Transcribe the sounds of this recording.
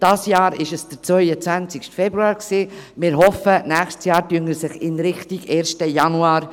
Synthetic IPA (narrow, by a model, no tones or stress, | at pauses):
d̥ɑːsjɑːɾɪʃɛsd̥əɾt͡svœʏət͡svænt͡sɪkʃtfɛbɾuɑːɾksiːmɪɾɦɔfənæːχʃtsjɑːɾtyənəsɪχɪnɾɪχtiɡeːɾʃtəjɑnuɑːɾ